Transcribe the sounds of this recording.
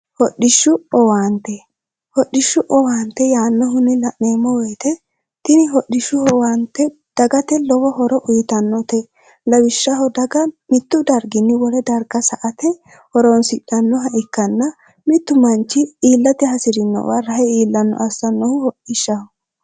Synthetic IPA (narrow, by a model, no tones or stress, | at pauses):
hɔɗɪʃːʊɔwaːnt̪ɛ | hɔɗɪʃːʊʔɔwaːnt̪ːɛjaːnːɔɦʊnːɪlɐʔneːmːɔwɛjt̪ɛ | t̪ɪnɪɦɔɗɪʃʊhɔwant̪ːɛ | d̪̥ɐɡɐt̪ɛlɔwɔɦɔɾɔʔʊjt̪ɐnːɔt̪ɛ | lɐwɪʃːɐɦɔd̪ɐɡɐmɪt̪ːʊd̪ɐɾɡɪnːɪwɔlɛd̪ɐɾɡɐsɐʔɐt̪ɛ | hɔɾɔnsɪɗɐnːɔɦɐʔɪkːɐnːɐ | mɪt̪ːʊmɐnt͡ʃːɪiːlːɐt̪ɪhɐsɪɾɪnːɔ̰wɐɾɐhɛiːlːɐnːɔ̰ʔɐsːɐnːɔhʊhɔɗɪʃːɐhɔ